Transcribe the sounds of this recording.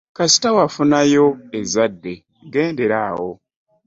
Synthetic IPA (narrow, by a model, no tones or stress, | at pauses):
kasi̥tawafunajo̞ezadːe̞ | ɡe̞ːnde̞ɾaːwo̞̰